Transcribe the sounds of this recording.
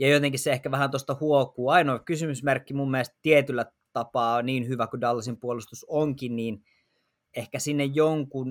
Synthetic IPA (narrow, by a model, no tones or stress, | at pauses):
jɑjot̪eŋkisseehkæʋæhænt̪ost̪ɑhuokˑuːɑinoˑkysymysmerkːimumːielst̪t̪iet̪ylːæ | t̪ɑpɑːoniːnhyʋækudɑlːɑsimpuolust̪usoŋkinniːn | ehkæsinːejjoŋkun